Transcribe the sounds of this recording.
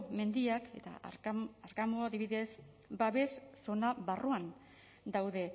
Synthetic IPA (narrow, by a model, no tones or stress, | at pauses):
me̞nd̪iake̞t̪a̰aɾkamoaðiβiðe̞s | baβe̞sːo̞naβaruan | d̪awðe̞